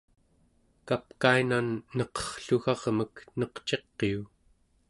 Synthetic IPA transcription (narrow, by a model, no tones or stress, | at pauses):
kapkainanːʌqʌ̥χɬuɣɑʁməknʌqt͡ʃe̞qːeu